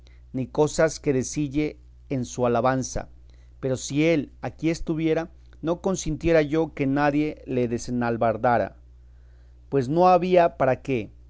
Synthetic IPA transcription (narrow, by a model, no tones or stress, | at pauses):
niko̞saske̞ðesiʝe̞ː | nsualaβansa̰ | pe̞ɾo̞sie̞lakie̞st̪uβje̞ɾa | no̞ko̞nsint̪je̞ɾaʝo̞ke̞naðje̞le̞ðe̞senalβaɾðaɾa̰ | pwe̞zno̞aβiapaɾake̞